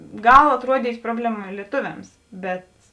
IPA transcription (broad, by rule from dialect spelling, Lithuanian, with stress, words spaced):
ˈɡɐlˠ ɐtˈruɔdʲiːtʲ ˈproːbʲlʲɛˌmɐ lʲiɛˈtʊʋʲɛms bʲɛt